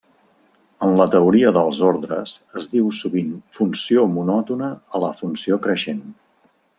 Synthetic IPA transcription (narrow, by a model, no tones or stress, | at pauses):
ənlət̪əuɾiəðəlˠzoɾðɾəzəzðiwsuβinfunsiomunɔt̪unəəːləfunsiokɾəʃen